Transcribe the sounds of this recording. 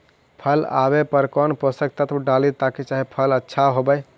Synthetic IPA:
pʰəla̰bepəɾkɔnposək̚t̪ət̪ʰɖalit̪aket͡ʃaɦipʰələtːʃʰaɦobəj

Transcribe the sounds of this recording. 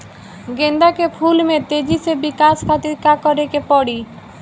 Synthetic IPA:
ɡend̪akepʰulmet̪ed͡ʑisebikaskʰat̪iɾkakɔɾekepɔɽi

